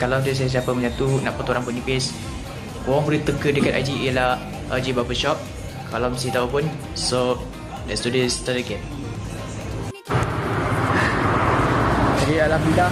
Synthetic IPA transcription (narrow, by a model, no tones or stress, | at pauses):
kalad̪is̬ajas̬iapəmə̃d͡ʒant̪unã̰ʔpət̪oɾaŋpunipɪs | kowɔŋbəɾit̪əkədəkat̪a̰d͡ʒiijəlah | ʔad͡ʒibapəʃɔp̚ | kalamsit̪aupun | so | dɛst̪udist̪at̪əɡɛn | aɾialamida